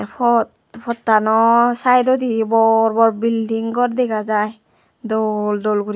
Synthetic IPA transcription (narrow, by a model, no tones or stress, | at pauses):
pʰɔt | pʰɔtːanɔsajdɔdibɔɹbɔɹbildiŋɡɔtdɛɡazaj | doldolɡuɾi